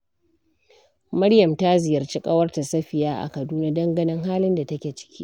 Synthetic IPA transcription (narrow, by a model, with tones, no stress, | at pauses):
mɐ˦ɽjɐ˨mta˦zɪ˨jɐ˨rt͡ʃi˦kʼɐ˦wɐ˦rta˨sɐ˦ɸɪ˨jaː˦ʔa̰˨kɐ˨duː˦na˦dɐ˦ŋɡɐ˦nɪ˦ŋɦaː˦lɪ˦nda˨tɐ˦kʲeː˨t͡ʃɪ̥˦kʲʰḭː˦